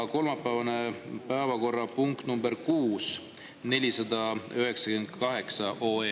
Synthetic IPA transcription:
ko̞lmɑpːˑæːvɑne̞pæevɑko̞rːɑpuŋkt̪numbe̞ɾkuːs | ne̞lʲisɑd̪̥ɑyɦe̞ksɑkyend̪̥kɑɦe̞ksɑʔoːeː

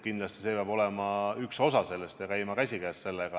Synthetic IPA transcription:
kind̪lɑst̪i̥se̞ːpeɑbo̞lemɑykso̞sɑse̞lːest̪jɑkæjmɑkæsʲikæːsse̞lːeɡ̥ɑ

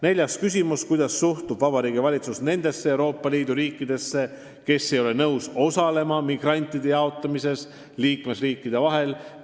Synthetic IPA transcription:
ne̞lʲjɑskys̬ʲimuskujd̪̥ɑsːuht̪ub̥vɑb̥ɑɾiːɡivɑlʲit̪susne̞nd̪̥e̞sːeewɾo̞ːpːˑɑliːd̪̥uɾiːkːˑid̪̥e̞sːe̞ | ke̞sːejo̞lenɤwso̞sɑle̞mɑmiɡ̥rɑnʲt̪ːˑid̪̥e̞jɑo̞t̪ˑːɑmise̞s | liːkme̞sriːkːˑid̪̥e̞vɑɦe̞l

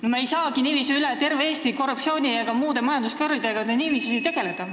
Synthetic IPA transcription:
nomɑejsɑːɡ̥iniːviːsuylet̪e̞rvee̞ːst̪iko̞rːup̚t͡ssio̞ːnʲijɑkɑmuːd̪̥e̞mɑjɑnd̪uskɤrvid̪̥e̞ɡ̥ɑneniːviːsusejt̪e̞ɡ̥e̞le̞d̪̥ɑ

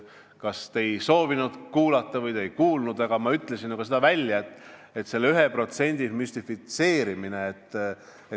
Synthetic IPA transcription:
kɑst̪e̞jso̞ːvinud̪̥kuːlɑt̪ːɑvɤjt̪e̞jkuːlnud̪̥ɑɡ̥ɑmɑyt̪ːˑle̞sinuɡ̥ɑsed̪̥ɑvælʲjɑet̪ːˑ | et̪ːse̞lːyɦepro̞t̪se̞nʲd̪̥imyst̪ifit̪se̞ːɾimine̞ːt̪ː

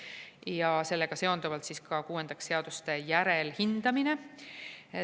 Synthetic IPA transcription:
jɑse̞lːe̞ɡ̥ɑse̞o̞nd̪uvɑlt̪siskɑkuːe̞nd̪̥ɑkse̞ɑd̪̥ust̪e̞jæɾelhind̪̥ɑmine̞

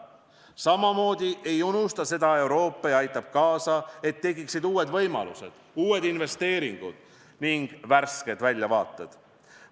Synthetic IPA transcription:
sɑmɑmo̞ːd̪̥ʲiʔe̞junust̪ɑse̞d̪̥ɑe̞wɾo̞ːpːˑɑjɑɑjt̪ːˑɑb̥̚kɑːsɑe̞t̪ːe̞ɡiksid̪uːwe̞d̪vɤjmɑ̰lṵse̞̰d̪̥ | uːwe̞d̪inve̞st̪e̞ːɾiŋɡ̥ṵd̪̥ | niŋɡ̥værsked̪vælʲːjɑvɑ̰ːt̪ːˑed̪̥

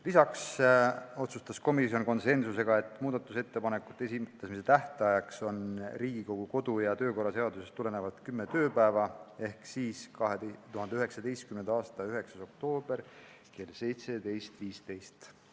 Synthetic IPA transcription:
lisɑks | o̞t̪sust̪ɑsko̞misjo̞nko̞nse̞nsuse̞ɡ̥ɑe̞t̪ːˑmuːd̪ɑt̪ːˑuse̞t̪ːe̞pɑne̞kːˑu̥t̪ːˑesit̪ːesmis̬et̪æht̪ɑjɑkso̞nriːɡ̥iko̞ɡ̥uko̞d̪̥ujɑt̪ø̞ːko̞rɑse̞ɑd̪usest̪ːule̞ne̞vɑt̪kymːe̞t̪ø̞ːpæevɑe̞hksiːskɑɦet̪uɦɑnd̪eyɦe̞ksɑd̪e̞jst̪̚kymnend̪ɑːst̪ɑyɦe̞ksɑso̞k̚t̪o̞ːb̥e̞r | ke̞lse̞jt̪se̞d̪e̞jst̪viːst̪e̞jst̪

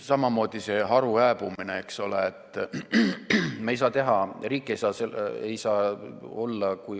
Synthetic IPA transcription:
sɑmɑmo̞ːd̪̥ise̞ɦɑɾuæːb̥umineekso̞leet̪ːˑ | mɑejs̬ɑːt̪e̞ɦɑriːkːˑe̞jsɑːsee̞̰jsɑːo̞lːɑkuj

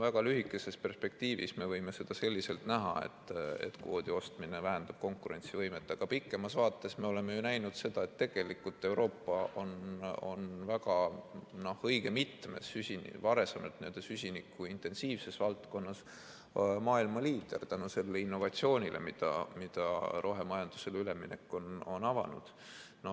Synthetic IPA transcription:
væɡ̥ɑlyɦikːˑe̞se̞spe̞rspe̞k̚t̪iːvḭsme̞vɤjme̞se̞d̪̥ɑse̞lʲːise̞lt̪næɦɑ̰ḛt̪ːˑḛt̪koːd̪̥io̞st̪minevæɦænd̪̥ɑb̥̚ko̞ŋkuɾe̞nʲsivɤjmet̪ːˑɑɡ̥ɑpikːˑe̞mɑsvɑːt̪ːˑe̞sme̞o̞le̞mejunæjnud̪̥se̞d̪̥ɑe̞t̪ːe̞ɡ̥e̞likːˑult̪ːˑe̞wɾo̞ːpːɑo̞no̞nvæɡɑnohɤjɡ̥e̞mit̪ːmḛsysʲinvɑɾe̞semelt̪niø̞ld̪̥esysʲinikːˑuint̪ˑe̞nsiːvse̞svɑlt̪ko̞nːɑs | mɑːilmɑliːd̪̥ert̪ænuse̞lːeinːo̞vɑt̪sio̞ːnʲilʔe̞̰mid̪̥ɑ̰mid̪̥ɑɾʔo̞ɦemɑjɑnd̪̥use̞lyle̞minekːˑo̞no̞nɑvɑ̰nṵd̪̥ | no

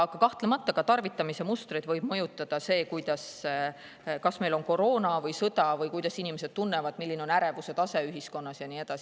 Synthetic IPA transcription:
ɑɡ̥ɑkɑht̪lemɑt̪ːˑɑɡ̥ɑt̪ɑrvit̪ˑːɑmise̞must̪rid̪vɤjb̥̚mɤjut̪ˑːɑd̪̥ɑse̞ːkujd̪̥ɑs | kɑsme̞jlo̞nko̞ɾo̞ːnɑvɤjsɤd̪̥ɑvɤjkujd̪ɑsinimesed̪̚t̪unːevɑd̪̥milːineo̞næɾe̞vuse̞t̪ɑse̞yɦisko̞nːɑsjɑnie̞d̪ɑsi

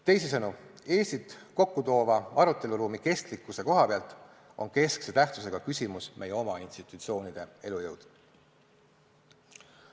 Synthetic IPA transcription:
t̪e̞jsesɤnueːst̪it̪ˑko̞kːut̪o̞ːvɑɑɾut̪ːˑe̞luɾuːmike̞st̪likːuse̞ko̞ɦɑpeɑlt̪ːˑ | o̞̰nke̞skset̪æht̪sus̬e̞ɡ̥ɑkysʲimusmʔe̞jeo̞mɑinst̪it̪ˑut̪sio̞ːnid̪̥e̞e̞lujɤwd̪̥

